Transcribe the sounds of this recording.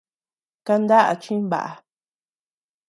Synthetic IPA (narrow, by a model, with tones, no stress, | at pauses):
ka˧nd̪a˦ʔa̰˧t͡ʃĩ˦βa̰˨ʔa˨